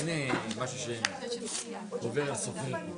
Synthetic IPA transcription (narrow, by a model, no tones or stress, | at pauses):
nemaʃuʃe | oveʁlsofe